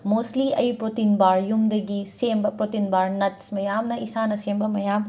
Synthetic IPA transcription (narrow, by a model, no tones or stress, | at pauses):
mosliɐjpɾotinbaɾjumd̪ɐɡisembɐpɾotinbaɾnɐtsmɐjamnɐisanɐsembɐmɐjam